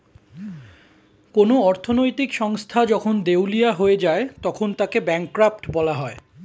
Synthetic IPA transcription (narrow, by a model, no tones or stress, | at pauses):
konoɔɾt̪ʰonojt̪ikʃɔŋst̪ʰad͡ʑɔkʰond̪ewlijaɦoed͡ʑaet̪ɔkʰont̪akebɛŋkɾap̚ʈbɔlaɦɔe